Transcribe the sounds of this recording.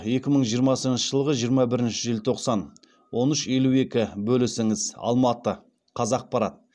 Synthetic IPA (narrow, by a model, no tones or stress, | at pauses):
je̞kʲɪməɴʒijəɾmɑsəənʃəʒəlˠəʁəʒijəɾmɑbɪɾɪnʃɪʒɪlt̪ʰo̞qsɑn | wo̞nʏʃe̞lue̞kʲɪbɵlɪsɪŋɪzɑ̰lˠmɑt̪ə | qʰɑzɑq̚pɑɾɑt̪